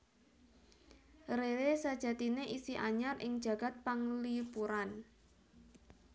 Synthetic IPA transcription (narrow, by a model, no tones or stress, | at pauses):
rewesad̥ʒ̥ä̤t̪ineʔisiʔaɲarʔɪŋd̥ʒ̥ä̤ɡ̥a̤t̪̚paŋlipuɾan